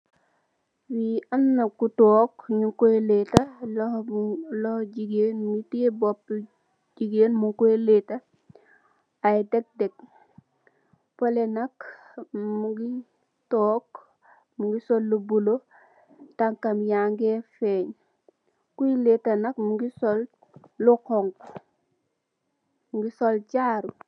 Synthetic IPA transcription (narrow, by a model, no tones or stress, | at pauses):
wiamnakutoːkɲukoeletalohlohɟiɡenmitiebop | d͡ʒiɡeːnmuŋkoeleta | ajdek̚dek̚ | polenak | muɡi | toːk | muŋɡisolːubulo | taŋkamjaŋɡefeɲ | kuiletanakmuɡisol | lukoŋk | muŋɡisolt͡ʃaɾu